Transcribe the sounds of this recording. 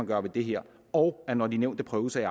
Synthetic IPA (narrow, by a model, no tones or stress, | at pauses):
ɑɡ̥ɶɐʋe̝d̥e̝ɦeɐ̰ | ɒʊænɒd̥ineʊd̥epʰʁœːʊəsɑiɑ